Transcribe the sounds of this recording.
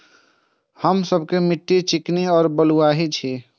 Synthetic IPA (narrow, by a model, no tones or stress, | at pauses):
həmsəbʱkemiʈːit͡ʃikniɔːɾbəluaɦit͡ʃʰi